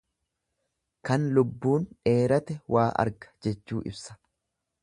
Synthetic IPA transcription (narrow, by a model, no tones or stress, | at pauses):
kɐnlʊbːuːnᶑe̞ːɾɐt̪ɛwʔaːʔɐ̰ɾɡɐ̥d͡ʒɛt͡ʃːuːʔɪ̰bsɐ̥